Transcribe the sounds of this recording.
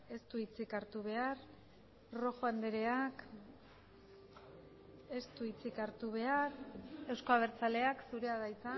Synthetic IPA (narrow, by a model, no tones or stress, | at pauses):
e̞st̪uit͡sikaɾt̪uβ̞e̞aɾ | ro̞xoand̪eɾe̞ak | e̞st̪uit͡sikaɾt̪uβ̞e̞aɾe̞wsko̞aβ̞e̞ɾt͡sale̞aksuɾe̞aðajt͡sa